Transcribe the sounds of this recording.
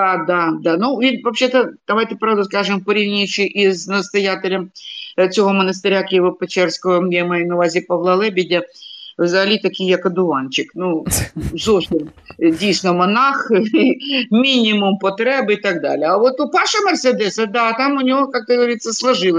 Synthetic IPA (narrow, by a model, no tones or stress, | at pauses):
d̪ad̪ad̪anuʋʲit̪ʲvɐpɕʲet̪əd̪̥ɐʋajt̪ʲɪpɾavd̪ʊskaʐɨmpəɾʲiʋʲnʲit͡ɕɪʔiznəst̪ɐjatʲɪlʲɐmt͡sʲɪɦomənəs̬t̪ɪɾʲakʲɪjɪʋopɐt͡ɕɛrskəʋəmnʲemɐjinɐʋazʲɪpɐvlˠɐlˠɛbʲɪdʲɪvzɐlʲit̪ɐkʲijɐkɐd̪ʊant͡ɕɪknuzofsʲɪm | dʲijsʲnɔmɐnaximʲinʲɪmʊmpɐt̪ɾɛbɨɪt̪ɐɡd̪a̰lʲɪɐʋot̪ʊpaʂɐmɛrsʲɛd̪ɛsɐd̪aːt̪amʊnʲɪʋokak̚t̪əɡəʋɐɾʲit̪sːəslˠɐʐɨlˠə